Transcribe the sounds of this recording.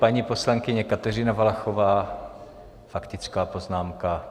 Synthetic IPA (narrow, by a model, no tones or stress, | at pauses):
paɲiːposlaŋkɪɲɛkat̪ɛrɪnavalaxovaː | fakt̪ɪt͡skaːpoznaːmka